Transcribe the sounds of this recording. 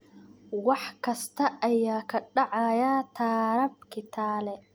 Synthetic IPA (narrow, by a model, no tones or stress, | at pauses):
wɑħkʰɐst̪ʰɐʔɐjaːkʰɐɖɑʕɑjaːt̪ʰaːɾɐb̚kʰɪt̪ʰaːlɛ